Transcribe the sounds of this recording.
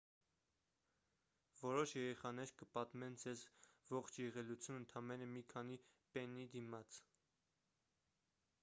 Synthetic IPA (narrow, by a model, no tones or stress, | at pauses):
vɔɾɔʃjɛɾɛχɑnɛɾkəpɑt̪mɛnd͡zɛzvɔχt͡ʃʰjɛʁɛlut͡sʰjunənt̪ʰɑmɛnəmikʰɑnipɛnːid̪imɑt͡s